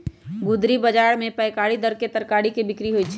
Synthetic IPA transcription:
ɡʊd̪ɾibɐd͡ʒaːɽmẽpɐɪkaːɽid̪ɐɾket̪ɐɾkaːɽikebɪkɾiɦoit͡ʃʰ

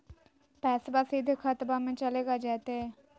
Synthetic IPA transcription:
pɛːsbaːsiːd̪ʱkʰaːt̪baːmẽːt͡ʃəleːɡaːd͡ʒaːt̪eɦɛː

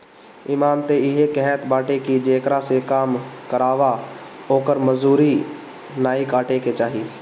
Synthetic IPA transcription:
iːmaːnt̪eɪɦekɛɦɛt̪baːʈekid͡ʒeːkɾasekaːmkəɾaːʋaoːkəɾməzuːɾi | naːikaːʈeket͡ʃaːɦiː

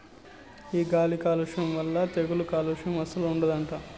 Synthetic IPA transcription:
iːɡaːlikaːluʂɐmʋɐlːɐt̪eɡulukaːluʂɐmɐsɐluuɳɖɐd̪ɐɳʈaː

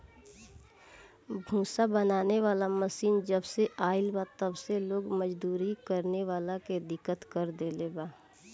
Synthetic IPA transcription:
bʱũːsabənaːneʋaːlaməsiːnd͡ʒəbseʔaːɪlbat̪əbseloːɡməd͡ʒd̪uːɾikəɾneʋaːlaked̪ɪkːət̪kɐɾd̪eːlebaː

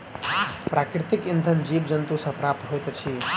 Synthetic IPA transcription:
pɾʔaːkɾit̪ikind̪ʱənd͡ʒiːbd͡ʒənt̪usɐ̃pɾap̚t̪ɦojt̪t͡ʃʰi

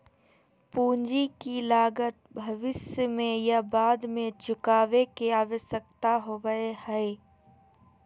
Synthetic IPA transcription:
puːnd͡ʒikilaːɡət̪̚bʱɐʋɪsjəmẽjabaːd̪mẽt͡ʃʰʊkaːʋekeaːʋesək̚t̪aɦoʋəehɛe

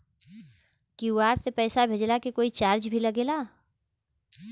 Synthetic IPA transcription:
kiuaːɾsepɛːsabʱeːd͡ʒlakekoːit͡ʃaːɾd͡ʒbʱiləɡeːlaː

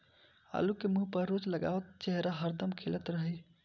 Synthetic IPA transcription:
a̰lukemuɦpəɾːod͡ʒləɡa̰ʋt̪t͡ʃəɦɾaɦəɾd̪əmkʰelət̪ɾəɦəj

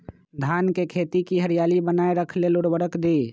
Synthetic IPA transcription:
d̪ʱankekʰet̪ikiɦəɾijalibənaeɾəkʰlelʊɽʋəɾəkd̪i

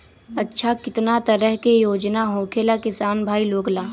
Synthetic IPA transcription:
ɐtːʃʰakɪt̪nat̪əɾəɦkejoːd͡ʒnaɦoːkʰelakɪsaːnbʱaːiloːɡlaː

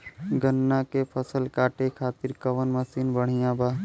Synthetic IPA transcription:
ɡənːakepʰəsəlkaːʈekʰaːt̪ɪɾkɐʋənmɐsiːnbəɽ̤ijãːbaː

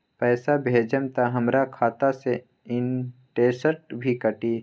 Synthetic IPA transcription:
pɛːsabʱeːd͡ʒəmt̪aɦɐmɾakʰaːt̪ase | ɪnʈeːsəɾʈ̚bʱikəʈi

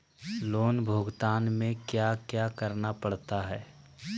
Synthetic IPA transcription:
loːnbʱoːɡt̪aːnmẽkjaːkjaːkəɾnapɐɽ̤t̪aɦɛː

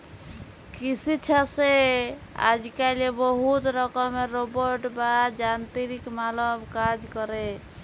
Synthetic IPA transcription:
kisit͡ʃʰase | a̰d͡ʒkalebɔɦut̪ɾəkəmeɾobəɾʈbad͡ʒant̪iɾikmaləbkad͡ʒkəɾe

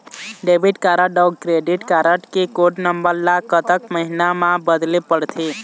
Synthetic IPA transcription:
ɖebʱiʈkaɾəɖəkɾeɖiʈkaɾəʈkekoʈnəmbəɾlakət̪əkməɦinamãbəd̪lepəɽt̪ʰe

